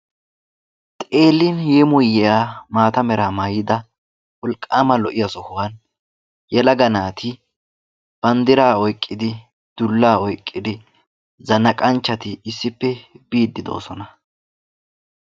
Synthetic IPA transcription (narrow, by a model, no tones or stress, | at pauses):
t̪ʼe̞ːlːɪnjeːmʊjːɛjaːmaːt̪ɐmɛɾaːmaːjɪd̪ɐ | wɔlkʼːaːmɐlɔʔɪjɐsɔhʊwan | jɛlɐɡɐnaːt̪ʰɪ | b̥ɐnd̪ɪɾaːɔjkʼːɪd̪ɪ | d̪̥ʊlːaːɔjkʼːɪd̪ɪ | zɐnɐkʼɐnt͡ʃːɐt̪ɪɪsːɪpːɛb̥iːd̪ːɪd̪o̞̰ːsɔnɐ